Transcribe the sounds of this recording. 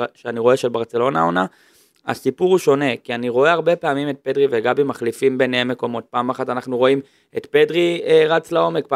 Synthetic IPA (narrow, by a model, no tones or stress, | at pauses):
ʃeaniʁo̞e̞ʃelbaʁt͡se̞lo̞na̰ona | a̰sipuʁuʃo̞ne̞kianiʁo̞e̞aʁbe̞peamime̞t̚pe̞dʁiveɡabimaχlifimbeneɦemːe̞ko̞mo̞t̚paːmaχatanaχnuʁo̞im | etpe̞dʁieʁat͡slao̞me̞kpa